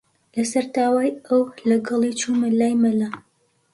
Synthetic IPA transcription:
lɐsɐɾt̪aːwaːjɐwlɐɡɑlˠit͡ʃumɨlaːjmɐla

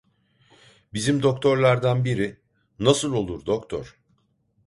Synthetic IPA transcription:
bizimd̪o̞k̚t̪ʰo̞ɾlˠaɾd̪anbiɾi | nasɯlˠo̞lˠuɾd̪okt̪ʰɔ̰ɾ̥

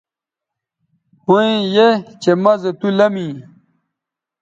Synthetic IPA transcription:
huẽjet͡ɕemɐzet̪ulɐmĩ

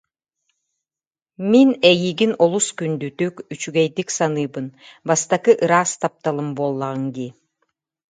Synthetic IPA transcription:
minɛjiɡinɔlˠuskynd̪yt̪ykyt͡ʃyɡɛjd̪iksanɯːbɯnbast̪akɯʔɯɾaːst̪ap̚t̪alˠɯmbolˠːaʁɯŋɡ̪i

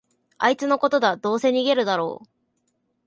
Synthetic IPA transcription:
ait͡sɨno̞ko̞t̪o̞d̪ad̪o̞ːse̞ɲ̟iɡe̞ɾɯ̟d̪aɾo̞̰ː

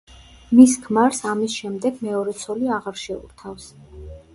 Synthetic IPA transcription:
miskʰmaɾsamisʃɛmd̪ɛɡ̥mɛɔɾɛt̪sʰɔliaʁaɾʃɛṵɾt̪ʰafs

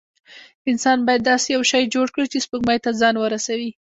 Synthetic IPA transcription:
ɪnsɑnbɑjad̪ːɑsejawʃɑjd͡ʒoɽkɽit͡ʃespəɡmɑjt̪azɑnwəɾasawi

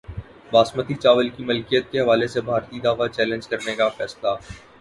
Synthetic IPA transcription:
ʋaːsmət̪it͡ʃaːʋəlkimɐlkijət̪̚keɦɐʋaːlesebʱaːɾt̪id̪aːʋat͡ʃɛːlə̃nd͡ʒkɐɾnekafɛːsla

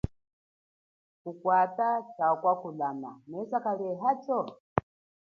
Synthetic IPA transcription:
kukwatat͡ʃakwakulama̰mɛsakalɛɦat͡ʃɔ

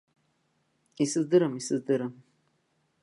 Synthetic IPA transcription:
isɨzd̪ɨɾəmisɨzd̪ɨɾəm

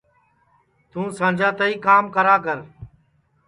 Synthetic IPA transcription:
t̪ũːsãːd͡ʒʱãːt̪əiːkaːmkəɾaːkəɾ

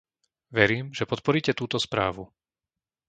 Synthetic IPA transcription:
ʋɛɾiːmʒɛpɔt̪̚pɔɾiːcɛt̪uːt̪ɔspɾa̰ːʋu

